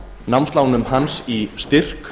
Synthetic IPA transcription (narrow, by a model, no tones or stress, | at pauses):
nawmnst̪laːwnʏmɦansist̪ɪr̥k